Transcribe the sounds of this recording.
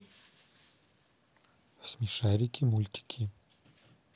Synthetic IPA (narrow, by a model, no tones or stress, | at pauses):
smiʂaɾikʲʰimulʲt̪ʰʲi̥kʲʰi